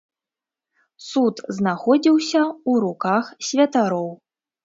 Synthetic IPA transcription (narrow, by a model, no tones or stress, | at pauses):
sut̪znaxɔd͡zʲiwsʲɐuɾukaxsʲvʲɐt̪aɾɔw